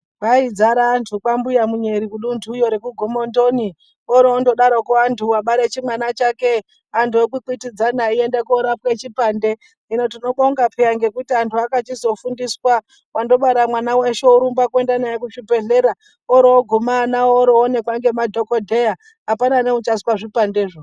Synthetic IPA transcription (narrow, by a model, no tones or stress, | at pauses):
ʋaid͡zaɾantʰukambujamuɲe̞ɾikuɗundʱujo̞ɾekuɡʱomondo̞ni | oɾeondo̞ɗaɾokuantʰuwaɓaɾet͡ʃimwanat͡ʃake | antʰuok̬ukitid͡zanaiendekoɾapket͡ʃipande̞ | ino̞tino̞ɓoŋɡapʰeaŋɡe̞kutiantʰuakat͡ʃizo̞fundiswa | wando̞ɓaɾamwanaweʃeuɾumbakue̞ndanajakuʃibe̞ɮe̞ɾa | oɾooɡʱumanaooɾoːne̞kwaŋɡe̞madʱo̞kodʱe̞ja | apananeut͡ʃaswaʐipande̞ʐo